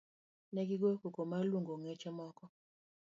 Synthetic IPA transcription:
nɛɡiɡokukomaluŋɡoŋɛt͡ʃɛmɔkɔ

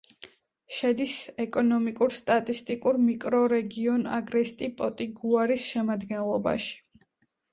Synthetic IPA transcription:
ʃɛd̪isɛkʼɔnɔmikʼuɾst̪ʼat̪ʼist̪ʼikʼuɾmikʼɾɔɾɛɡiɔna̰ɡɾɛst̪ʼipʼɔt̪ʼiɡuaɾisʃɛmad̪ɡɛnlˠɔba̰ʃi̥

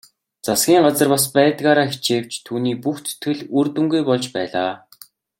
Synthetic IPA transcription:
t͡sasɡʲiːŋɢat͡sə̆rpas̬pæːt̪ɣaːɾaːxi̥t͡ɕeːw̥t͡ɕt̪ʰuːniːpuxt͡sʰɵ̥t̪ɡɘ̆ɮɵrt̪ŭŋɡujpɔɮt͡ɕpæ̰ːɮaː

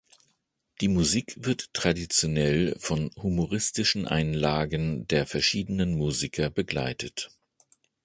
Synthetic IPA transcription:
d̥iːmuziːkv̥ɪɐtːʁ̥adit͡sjonɛlfɔnhumoʁɪstɪʃn̩ʔa̰ɪnlaːɡəndeːɐfɛɐʃiːdənənmuːzikʰɐbəɡla̰ɪtʰət

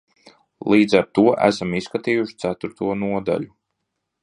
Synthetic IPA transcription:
lˠiːd̪zaɾt̪uɔʔæ̰samiskat̪iːjuʃt̪sæt̪uɾt̪uɔnuɔd̪a̰lʲu

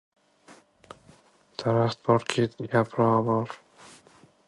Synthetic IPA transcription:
d̪̥ʰaɾaχt̪̚bɒɾkʲʰet̪ʰɡʲapʰɾɒːbɒɾ

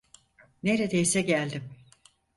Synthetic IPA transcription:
neɾed̪ejsɛɟælʲd̪im

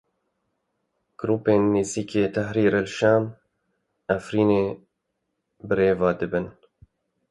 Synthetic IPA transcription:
ɡ̥ɾuːpeːnːeːziːkeːt̪ʰɛhɾiːɾelʃɑːn | afɾiːneː | bɨɾeːvɑːd̪ɨbɨn

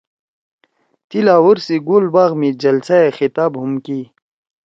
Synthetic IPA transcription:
t̪ilaːwuɾsiɡoːlbaːɣmid͡ʑɐlsaexit̪aːbɦumkiː

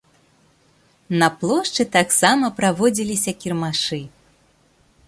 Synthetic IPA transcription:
nɐplˠɔʂt͡ʂɨt̪aksamɐpɾavɔd͡zʲilʲisʲɐkʲirmaʂɨ

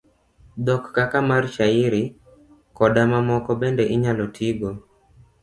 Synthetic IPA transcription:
dɔkːakamarʃaɪɾɪ | kɔdamamɔkɔbɛndɛʔɪɲalɔtʰiɡo

